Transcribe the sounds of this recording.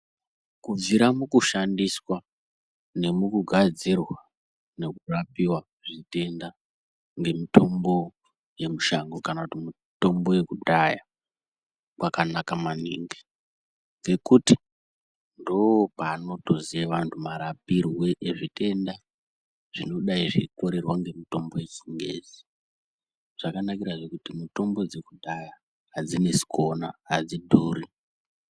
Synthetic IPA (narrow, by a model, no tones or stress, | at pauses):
kub͡viɾamukuʃandiswa | ne̞mukuɡʱad͡zirwa | ne̞kurapiwa | ʐite̞nda | ŋɡe̞mito̞mbo̞ | je̞muʃaŋɡokanakutimi | to̞mbo̞je̞kuɗaja | kwakanakamanḭːŋɡi | ŋɡe̞kuti | ndoopaːno̞tozieʋantʰumaɾapirwe̞ʔeʐite̞nda | ʐ̥ino̞ɗaiʐiko̞ɾe̞rwaŋɡe̞mito̞mbo̞je̞t͡ʃiŋɡḛd͡zi | ʐ̥akanakiɾaʐe̞kutimito̞mbo̞d͡ze̞kudʱaja | ɦad͡zine̞si̥ko̞naad͡zidʱuːɾi